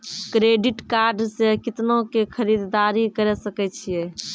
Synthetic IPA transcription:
kɾeɖiʈkaɾɖsekit̪nokekʰəɾid̪d̪aɾikəɾɛsəkɛt͡ʃʰijɛ

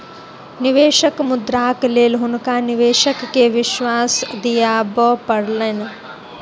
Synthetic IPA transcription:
niʋeːʃɐkmud̪ɾaːkleːlɦunkaːniʋeːʃɐkːeʋɪʃʋaːsd̪ijaːbəpɐɽlen

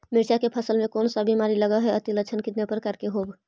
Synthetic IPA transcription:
mɪɾt͡ʃakepʰəsəlmẽkoːnsəbimaɾiləɡəɦɛət̪ilət͡ʃʰənkit̪nepəɾkəɾkeɦoːb

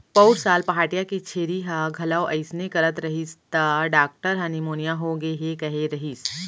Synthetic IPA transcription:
pɐʊɾsaːlpɐɦaːʈijakit͡ʃʰeːɾiɦaɡʱɐlaoʔɐɪsnekɐɾət̪ɾɐɦist̪aɖaːk̚ʈəɾɦɐnimoːnijaɦoɡeɦekɐɦeɾɐɦis

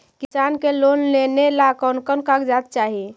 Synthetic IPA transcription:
kisankelonlenelakɔnkənkakd͡ʒat̪̚t͡ʃaɦi

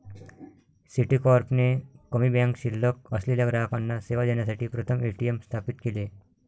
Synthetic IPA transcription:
siʈikɔɾpnekəmibãŋkɕilːək̚əsliləɡɾakanːaseʋad̪enjasaʈʰiːpɾət̪ʰəmeʈiemst̪ʰapit̪kile

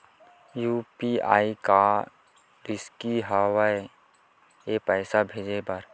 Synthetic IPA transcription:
juːpia̰ːika | ɾɪskiɦawae | epɛːsabʱeːd͡ʒebɐɾ

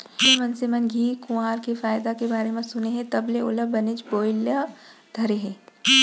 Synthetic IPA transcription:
ɦeʋɐnsɪmənɡʱiːkʊ̃aːɾkefaːjd̪akebaːɾemẽsʊneɦɛ̃t̪ɐbleʊləbːɐnɪt͡ʃboːɪljad̪̥ʱɐɾeɦɛ̃ː

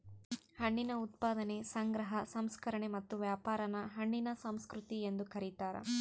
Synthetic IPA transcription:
hɐɳːinɐut̪̚paːd̪ɐnesɐŋɡɾɐɦɐsɐmskɐɾɐɳemɐt̪ːuʋjaːpaːɾɐnɐɦɐɳːinɐsɐmskɾut̪iend̪ukɐɾit̪aːɾɐ̰

